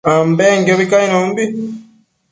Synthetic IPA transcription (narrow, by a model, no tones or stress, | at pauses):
ambɛŋɡɛβikainɔmbi